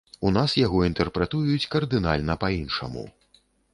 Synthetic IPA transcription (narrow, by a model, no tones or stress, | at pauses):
unasjaɣɔint̪ɛrpɾɛt̪ujut͡sʲkɐrd̪ɨna̰lʲnɐpɐinʂɐ̰mṵ